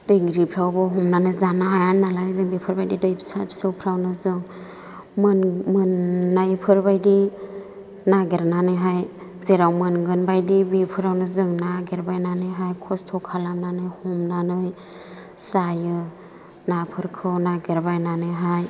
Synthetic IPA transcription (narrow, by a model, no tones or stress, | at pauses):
d̥ɯjɡɾipʰɾawbɔɦɔmnanɯjzanɯɦajanalajzɯŋbipʰɯɾbajdidɯjpsajpsɯwpʰɾawnɯzɯŋ | mɯnmɯnːajpʰɯɾbajdi | naɡeɾnanɯjɦaj | zeɾawmɯnɡɯnbajdibipʰɯɾawnɯzɯŋnaɡeɾbajnanɯjɦajkʰɔstʰɔkʰalamnanɯjhɔmnanɯj | sajɯ | napʰɯɾkʰɯwnaɡeɾbajnanɯjɦaj